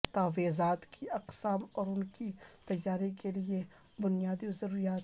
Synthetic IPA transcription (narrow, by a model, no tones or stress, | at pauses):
t̪aːʋeːzaːt̪kiɐqsaːmɔːɾʊnkit̪ɐjːaːɾikelie | bʊnijaːd̪izɐɾuːɾijaːt̪